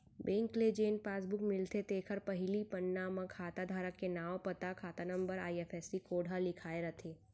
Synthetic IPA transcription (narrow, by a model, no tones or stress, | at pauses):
bẽːŋkled͡ʒeːnpaːs̬bʊkmɪlt̪et̪eːkʰəɾpɐɦɪlipənːaːmə̃kʰaːt̪ad̪ʱaːɾəkːenaːwpɐt̪akʰaːt̪anɐ̃mbəɾaːiɛfɛsikoːɽʱalɪkʰaːeɾɐt̪ʰeː